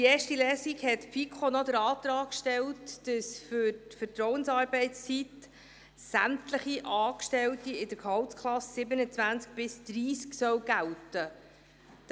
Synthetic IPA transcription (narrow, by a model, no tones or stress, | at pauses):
iɛːʃtilɛːsiɡhɛtpfikʰχonɔd̪əɾɑːt̪ɾɑːkʃtɛltːəsfʏɾtfəɾtɾɔwənsɑːɾbɛɪtst͡sit̪ | sæmt̪ləχiʔɑːkʃtɛltiɪdəɾkhɑwtskʰlɑssɪbənət͡svænt͡sk̚b̥ɪsd̪̥ɾiːsksœwɡ̥æltə